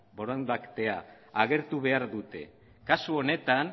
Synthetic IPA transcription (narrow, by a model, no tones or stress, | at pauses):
bo̞ɾond̪akt̪e̞aː | ɣe̞ɾt̪uβe̞aɾðut̪e̞̰ | kasuo̞ne̞t̪an